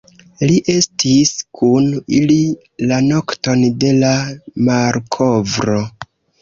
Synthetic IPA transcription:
liʔe̞stiskʰunili | lano̞kto̞nde̞lamaɾkʰo̞vɾo̞

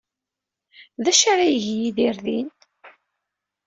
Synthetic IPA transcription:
ðæʃaɾajʝjiðiɾðin

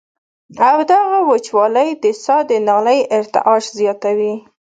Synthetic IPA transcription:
awd̪aɣawət͡ʃwɑləjd̪əsɑd̪ənɑləjɪɾt̪ɪ̰ʔɑʃzjɑt̪awi

